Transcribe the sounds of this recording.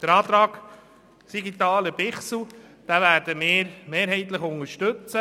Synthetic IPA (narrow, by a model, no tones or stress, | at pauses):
d̥əɾɑːt̪ɾɑːk | siɡit̪ɑːləb̥ɪχsl̩ | d̥æːvæːɾdəmɪːɾmeːɾɦɛɪt̪ləχʊŋəɾʃtɵt͡sə